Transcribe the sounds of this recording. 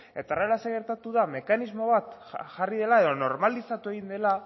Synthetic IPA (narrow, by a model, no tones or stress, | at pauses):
e̞t̪arelaseɣe̞ɾt̪at̪uðame̞kanizmo̞β̞at̪ʝarið̞e̞lae̞ðo̞no̞ɾmalisat̪ue̞ɣind̪e̞la